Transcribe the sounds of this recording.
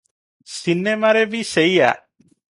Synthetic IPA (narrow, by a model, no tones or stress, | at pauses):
sinemaɾebiseja̰